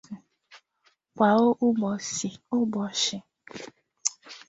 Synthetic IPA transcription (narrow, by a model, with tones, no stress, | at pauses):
kʷa˨o˦ʔʊ˦ɡ͡bɔ˨sɪ˨ʊ˦ɡ͡bɔ˨ʃɪ˨